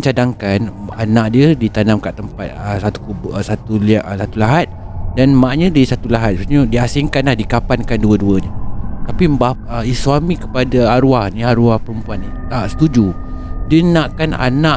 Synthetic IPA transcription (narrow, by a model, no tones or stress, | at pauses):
t͡ʃadaŋkananaʔ̚diədit̪anamkaʔt̪əmpat̪̚əsat̪u̥kusat̪ulʔsat̪ulaɦat̪̚ | danmaʔɲə̃disat̪ulaɦat̪̚bsɲədiasiŋkanlahdikapankanduəduəɲət̪apimbap̚əisuamikəpadaaɾuahniaɾuahpəɾəmpuanːi | aʔsə̥t̪ud͡ʒu | diənaʔkana̰naʔ